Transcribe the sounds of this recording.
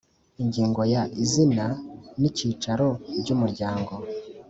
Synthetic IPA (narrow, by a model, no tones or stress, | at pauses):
iɲɟiːŋɡo̞jaʔizinaniciːt͡ʃaɾo̞ɟumuɾɟaːŋɡo̞